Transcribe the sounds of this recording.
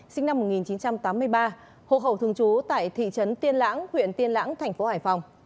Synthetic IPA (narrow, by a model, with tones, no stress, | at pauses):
sï˧ŋ̟na˧mːo˨˩t̚ŋi˨˩nt͡ɕi˨˦nt͡ɕa˧mt̪aː˨˦mːɨ˧əjɓaː˧ | ho̰˧˨ɦə˧˩wt̪ɨ˧əŋt͡ɕu˨˦t̪a̰ː˧˨jt̪ʰḭ˧˨t͡ɕə˨˦nt̪i˧ənla̰ː˧˥ŋhwḭ˧˨ənt̪i˧ənla̰ː˧˥ŋt̪ʰɛ˨˩jŋ̟fo˨˦haː˧˩jfa˨˩wŋ͡m